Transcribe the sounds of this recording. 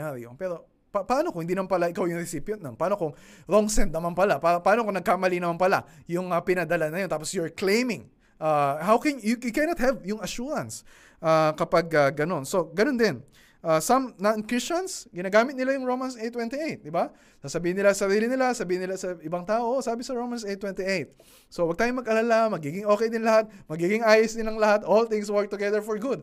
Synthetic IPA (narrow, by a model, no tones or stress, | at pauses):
aɾḭjoŋpɛːɾo̞ | pɐpɐʔaːnokõŋɪnd̪inɐmanpɐlaʔɪkawjʊŋɾɛsipjɛnnɐnpɐaaːnokʊŋɾoŋsɛnt̪nɐmanpɐlapaɐpɐaːnokoŋnɐɡ̚kamɐlinɐmanpɐla̰jʊŋɐpɪnɐd̪ɐlanːɐjot̪aːposjoɹklẽjmɪ̃ŋ | ʔahawkɛnjujukɛnɐt̪̚hɛvjʊŋɐʃuɾɐ̃ns | ʔakɐpaɡɐɡːɐno̞nso̞ɡɐnond̪ɪn | ʔaːsɐmnɐnkɹɪst͡ʃɐnsɡɪnɐɡaːmɪt̪nɪlajʊŋɹowmɐnsʔejt̪wɛ̃nt̪iejt̪̚d̪ɪba | sasɐbiːhɪnɪlasɐɾiːlɪnɪlasɐbiːhɪnɪlasɐɪbɐŋt̪aːʔosaːbɪsɐɹowmɐnset̪ːwɛ̃nt̪iʔejt̪̚ | sowɐɡ̚t̪aːjomɐɡʔɐlalamɐɡiːɡɪŋo̞ːkɛjd̪ɪnlɐhat̪̚mɐɡiːɡɪŋaːjɪsd̪ɪnlɐŋlɐhat̪ʔolt̪ɪ̃ŋswɔɹk̚t̪ʊɡɛðəɹfɔɹɡʊd̪̚